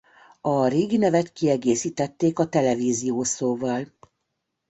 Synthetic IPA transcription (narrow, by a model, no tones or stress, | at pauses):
ɒreːɡinɛvɛt̪kiɛɡeːsiːt̪ɛt̪ːeːkɒt̪ɛlɛviːzijoːsoːvɒl